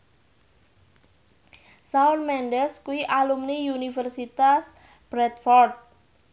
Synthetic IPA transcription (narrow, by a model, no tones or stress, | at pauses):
saɔrmɛnɖɛskuiʔalumniunifərsit̪as | b̥ɾɛt̪fɔrt̪̚